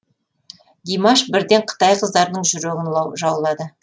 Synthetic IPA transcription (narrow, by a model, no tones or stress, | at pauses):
d̪ʲijmɑʃbɪɾd̪e̞ɴqʰə̥t̪ɑjqʰəzd̪ɑɾnəɴʒʏɾeɡʲɪnlˠɑwʒɑwlˠɑd̪ə